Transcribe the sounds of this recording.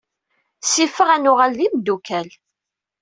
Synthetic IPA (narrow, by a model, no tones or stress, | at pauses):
sifəʁænʊʁalːimd̪ukæl